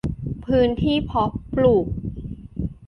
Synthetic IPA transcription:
pʰɯː˦˥nt̪ʰiː˥˩pʰɔ˦˥pluː˨˩k̚

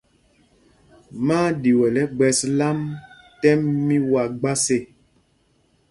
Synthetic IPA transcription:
maː˦di˨wɛ˨lɛ˦ɡ͡bɛ˨sla˦m | tɛ˦mːi˦wa˨ɡ͡ba˦se˨

